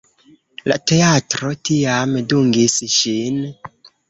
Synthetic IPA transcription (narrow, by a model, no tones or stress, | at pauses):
la̰te̞atɾo̞tiamduŋɡisʃin